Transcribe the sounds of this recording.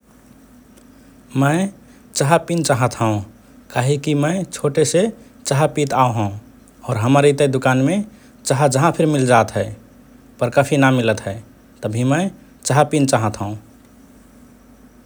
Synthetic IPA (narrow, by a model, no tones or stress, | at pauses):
məɪ | t͡ʃəɦapint͡ʃaɦət̪ɦə̃ũ | kaːɦikimət͡ʃʰoːʈeset͡ʃəɦapit̪aoɦə̃ũ | ɔːɾɦəmaɾit̪əd̪ʊkaːnmẽ | t͡ʃəɦad͡ʒəɦãpʰɪɾmɪld͡ʒaːt̪ɦɛe | pəɾkəpʰinamɪlət̪ɦɛe | t̪əbʱimə̃ɪ | t͡ʃaɦapint͡ʃaɦət̪ɦə̃ũ